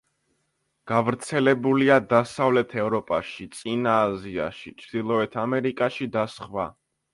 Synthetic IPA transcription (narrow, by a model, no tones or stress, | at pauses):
ɡ̥avɾt̪sʰɛlɛbuliad̪asavlɛt̪ʰɛvɾɔpʼaʃit̪sʼinaːzia̰ʃit͡ʃʰɾd̪̥ilˠɔɛt̪ʰamɛɾikʼaʃid̪asχwa